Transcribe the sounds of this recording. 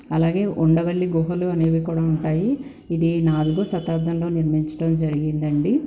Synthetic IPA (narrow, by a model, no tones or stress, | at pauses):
ɐlaːɡe̞ːʔuɳɖɐʋɐɭːiɡoɦɐluɐneːʋikuːɽaːuɳʈaːjiː | d̪inaːd̪uɡusɐt̪aːɾd̪ʱːɐnlo̞ːniɾmiɲt͡ʃɐ̥ʈɐmd͡ʒɐɾiɡind̪ɐɳɖi